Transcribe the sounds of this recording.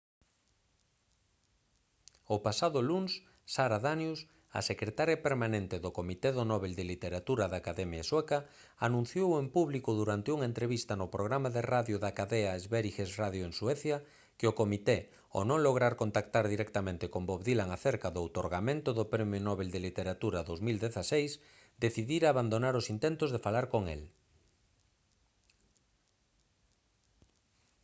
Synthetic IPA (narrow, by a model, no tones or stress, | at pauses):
ʊpasaðʊlunsː | aɾaðanjus | a̰sekɾet̪aɾjapeɾmanẽnt̪ɪðʊkomit̪eðʊnɔβeld̪elit̪eɾat̪uɾaðakaðɛmjaswɛka | anũn̟θjowempuβlikʊðuɾant̪ɪuŋent̪ɾeβist̪ɐnʊpɾoɣ̞ɾamaðeraðjʊðakaðɛaezβeɾixesraðjoeŋswɛθja | kɪokomit̪e | o̰nõŋloɣ̞ɾaɾkont̪akt̪aɾðiɾɛkt̪amẽnt̪ɪkomboβðilaŋaθeɾkaðoawt̪oɾɣamẽnt̪ʊðʊpɾemjonɔβeld̪elit̪eɾat̪uɾaðowzmild̪eθasejs | d̪eθiðiɾaːβand̪onaɾosint̪ent̪ʊzðefalaɾkoŋḛl